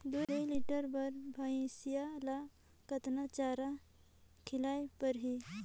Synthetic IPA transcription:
d̪oɾeliʈəɾbɐɾbʱaːĩsijala | kət̪nat͡ʃaːɾa | kʰɪlaːjpəɾɦi

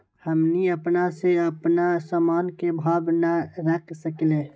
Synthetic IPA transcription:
həmniəpnaseəpnasamaːnkebʱaːbnaɾəkʰsəkle

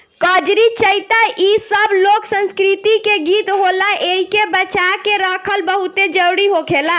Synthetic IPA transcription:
kɔd͡ʒɾit͡ʃəjt̪aʔisəbloksə̃nskɾit̪ikeɡit̪ɦolaʔeɦikebət͡ʃakeɾəkʰəlbəɦut̪ed͡ʒəɾuɽiɦokʰela

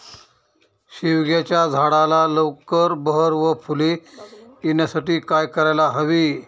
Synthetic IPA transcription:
ɕiʋɡjat͡ɕjad͡zʱaɽalaləwkəɾbəɦəɾʋəpʰule | injasaʈiːkajkəɾajlaɦəʋiː

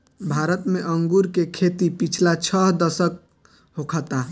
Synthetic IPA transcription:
bʱaɾət̪meʔəŋɡuɾkekʰet̪ipit͡ʃʰlat͡ʃʰəɦd̪əsək̚ | ɦokʰət̪a

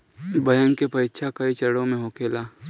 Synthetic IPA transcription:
bɐjə̃ŋkepɐɪtːʃʰakɐit͡ʃɐɽõmẽɦoːkeːlaː

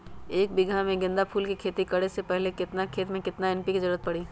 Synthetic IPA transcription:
eːk̚bɪɡʱamẽɡɪ̃nd̪apʰuːlkikʰeːt̪ikəɽesepɛɦlekɪt̪nakʰeːt̪mẽkɪt̪naɛnpikizɐɾuːət̪̚pɐɽiː

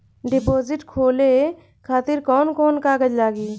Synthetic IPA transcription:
ɖɪpoːzɪʈkʰoːle | kʰaːt̪ɪɾkɔːnkɔːnkaːɡəd͡ʒlaːɡiː

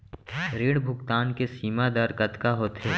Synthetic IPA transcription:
ɾeːɽbʱʊkt̪aːnkesiːmad̪aɾkət̪kaɦoːt̪ɦeː

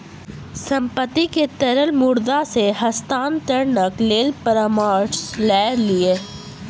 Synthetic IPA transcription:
sə̃mpət̪ːiket̪ɐɾəlmʊɾd̪aseɦɐst̪aːnt̪əɾnəkleːlpəɾəmaːʈslɛːɾlieː

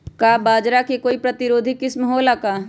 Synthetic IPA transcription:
kabaːd͡ʒɾakekoːipɾɐt̪ɪɾoːd̪ʱikɪsməɦoːlakaː

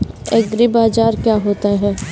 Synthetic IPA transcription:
ɛɡɾɪbaːd͡ʒaːɾkjaːɦoːt̪aɦɛː

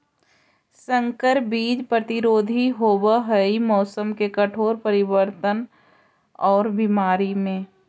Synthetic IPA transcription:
sə̃ŋkəɾbiːd͡ʒpɾət̪ɪɾoːd̪ʱiɦobaɦəimɔːsəmkekəʈʰoːɾpəɾɪbəɾt̪ən | ɔːɾbimaːɾimẽː

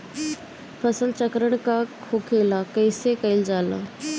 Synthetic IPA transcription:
pʰɐsəlt͡ɕɐkɾəɽ̃kakʰoːkʰeːlakɐːsekɐɪld͡ʑaːla̰ː

